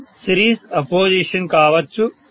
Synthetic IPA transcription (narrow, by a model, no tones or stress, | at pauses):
siɾiːsɐpoːd͡ʑiʃɐnkaːʋɐt͡ʃːu